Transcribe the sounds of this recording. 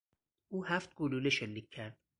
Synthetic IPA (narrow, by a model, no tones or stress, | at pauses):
ʔuːhæft̪̚ɡoluːleʃelːiːcʲʰːæɾd̪̥̚